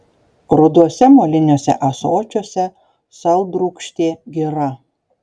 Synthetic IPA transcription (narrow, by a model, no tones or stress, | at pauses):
ɾʊd̪uɔsʲɛmolʲɪnʲoːsʲɛ̰ʔɐsoːt͡ʃʲoɔsʲɛ | sɐlˠˑd̪ɾʊːkʃʲt̪ʲeːɡʲiɾɐ